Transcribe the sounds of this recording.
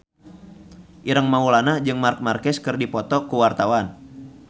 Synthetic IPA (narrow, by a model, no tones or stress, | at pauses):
ʔiɾəŋmaulanad͡ʒɨŋmark̚markɛskɨrdipɔt̪ɔkuwart̪awan